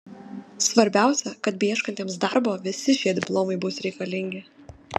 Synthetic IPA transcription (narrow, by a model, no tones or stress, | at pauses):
sʋɐɾʲbʲæˑʊsʲɛkɐt̪̚bʲiɛʃkɐnʲt̪ʲeːmsd̪ɐɾboːʋʲɪsʲɪʃʲiɛd̪ʲɪplˠoːmɐɪbʊsɾʲɛɪkɐlʲɪŋʲɡʲɪ